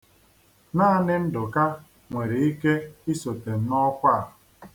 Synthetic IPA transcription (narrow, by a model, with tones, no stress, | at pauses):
naː˦nɪ˦n̩˦dʊ˨ka˦ | ŋʷe˨ɾe˨i˦ke˦i˦so˨te˨m̩˦nɔ˦kʷa˦˨ɦʊ˨